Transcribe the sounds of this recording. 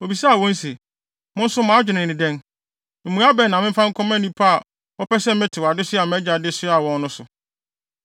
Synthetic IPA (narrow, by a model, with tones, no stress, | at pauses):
o˨bi˨sa˦a˨wɔ̃˦n̩˦se˨ | mʊ̃˦n̩˦sʊ˦mãː˨˦d͡ʑᶣɪ˨nɪ̃˨ɪ̃˨dɛ̃˦n | m̩˨mũ˨˦a˦bɛ˦˨nã˨mɪ̃˦m̩˦fã˦ŋ̩˦kʰɔ̃˦mɛ̃˦nĩ˦pʰa˦a˨ | ɔ˦pɛ˦sɛ˦mɪ̃˦tʰɪ˨wa˨dɪ˦sɪ˦a˨mɛ˦d͡ʑa˨dɪ˦sʊ˦a˨wɔ̃˨nː˦ʊ̃˦sʊ˨